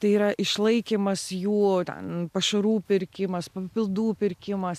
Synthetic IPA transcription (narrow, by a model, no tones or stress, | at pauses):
t̪ɐɪiːɾɐʔɪʃlˠɐɪkʲiːmɐsjuːt̪ʲɛ̰npɐʃɐɾuːpʲɪɾʲkʲɪmɐspɐpʲɪlˠd̪uːpʲɪɾʲkʲɪmɐs